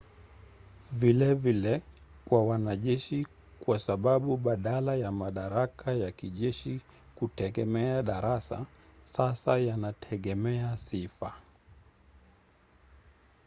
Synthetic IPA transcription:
vilɛvilɛ | kwawanaʄɛʃi | kwasaɓaɓuɓaɗalajamaɗaɾakʰajakiʄɛʃi | kutɛɡɛmɛaɗaɾasa̰sasajanatʰɛɠɛmɛasifa

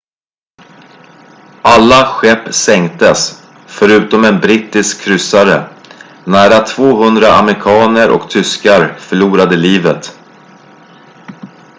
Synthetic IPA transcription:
ʔalːaɧɛpːsɛŋt̪əs | fœɾʉ̟ːt̪ɔmɛnbɾɪːt̪ɪskʰːɾʏsːaɾə̰ | næːɾat̪ʰv̥oːɦɵnd̪ɾaa̰mɾɪkʰɑːnəɾʔɔ̰kt̪ʰʏskaɾfœɭuːɾad̪əliːvət̪

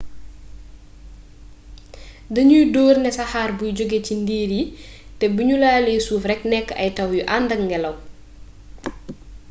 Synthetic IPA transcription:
dɐɲujdɔːrnɛsɐhaːrbujd͡ʒɔɡecindiːɾji | tɛbuɲulaːlɛːsuːfrɛknɛkːɐ̰jtɐwjuʔandɐŋŋːɡɛlɐw

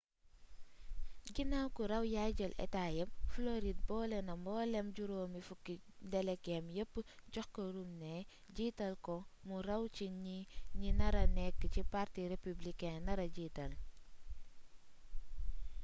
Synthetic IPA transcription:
ɡinawkuɾɐwjaɟɐlʔɛ̰taːjɐmfloɾid̚bɔːlɛnɐmbɔːlɛmɟuɾoːmifukːi | dɛlɛkɛmjəpːɟɔxkəɾumnɛː | ɟiːtɐlkɔmuɾɐwt͡ʃiɲiɲinɐɾɐnɛkːcipaɾtiɾepublikɛnnɐɾɐɟiːtɐl

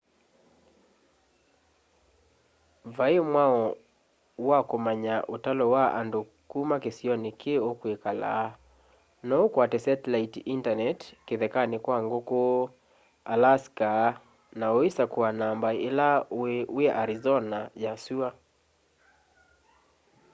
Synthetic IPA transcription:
vaemwaɔ | wakomaɲaʔotalɔwaʔa̰ndo | kumakesiɔnikeokwekala̰ | nɔokwatɛsɛtlaitiʔintanɛtkeðɛkanekwaŋɡoko | alaska | naoisakuanambaelauɛʔaɾizɔnajasua

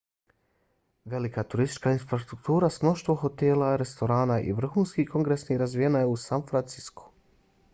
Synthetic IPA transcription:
ʋe̞likat̪uɾist̪it͡ʃkainfɾast̪ɾuk̚t̪uːɾasmno̞ʃt̪ʋo̞xo̞t̪elaɾe̞st̪o̞ɾaːnaʔḭʋr̩xuːnskiko̞ŋɡɾesniɾazʋijenajeusanfɾant̪sisko̥

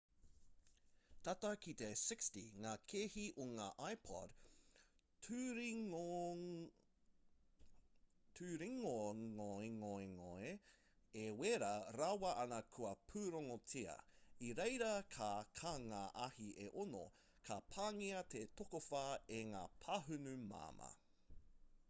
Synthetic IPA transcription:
t̪at̪ɐkit̪esɪkstiŋaːkʰehiʔoŋaːʔajpʰɔ̰d | tʰʉɾiŋoŋoeŋoeŋoe | eweɾaɾawɐʔɐnɐkʰuɐpʰʉːɾoŋot͡sʰiɐ̰iɾejɾɐkʰakʰaŋaʔɐhiʔeʔono̰ | kʰɐpʰaːŋiɐt̪et̪okofɐeŋaːpʰɐɦʉnʉma̰ːmɐ̰

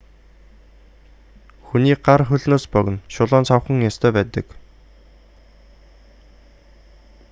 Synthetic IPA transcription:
xuniːɢarχɵɮnoːspœɣ̆nʃʊɮɔːnt͡sʰaw̆χə̆ŋjast̪ʰœːpæːt̪ə̰̆k

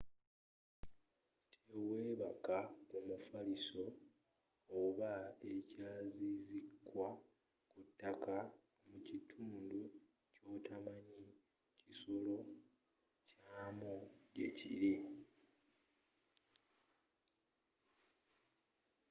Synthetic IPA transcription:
tʰeweːβakakumufaliso̞ː | βaecaːzizikwa | kutːaka | mucitʰuːndu | co̞ːtʰamaɲi | ciso̞lo̞ | caːmoɟe̞̰cḭɾi

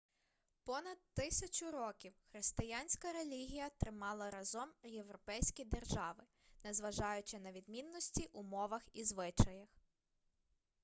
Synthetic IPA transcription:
pɔnɐd̪̚t̪ɪsʲɐt͡ʃʊɾɔkʲiwxɾɪst̪ɪjanʲsʲkɐɾelʲiɦʲijɐt̪ɾɪmɑlˠɐɾɐzɔmjewɾɔpɛjsʲkʲid̪erʒɑʋɪ | nɛzʋɐʒɑjʊt͡ʃɪnɐʋʲid̪mʲinːɔsʲtʲiʔʊmɔʋɐxizʋɪt͡ʃɐjɐx

